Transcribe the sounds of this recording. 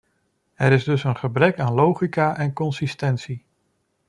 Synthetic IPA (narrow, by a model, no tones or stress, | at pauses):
ɛɾɪzdɵsənχəbrɛkaːnlowχikaːʔɛnkɔnsistɛntsi